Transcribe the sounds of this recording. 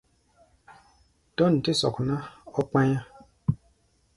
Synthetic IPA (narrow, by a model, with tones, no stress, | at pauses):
d̥ɔ˦˨n̩˨ti˦sɔ̰˨knã˦ɔ˦k͡pã˦jã˦